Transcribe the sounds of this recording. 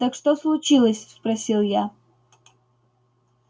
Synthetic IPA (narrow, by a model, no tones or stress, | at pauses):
t̪akʂt̪oslˠʊt͡ɕilˠəsʲspɾɐsʲilˠja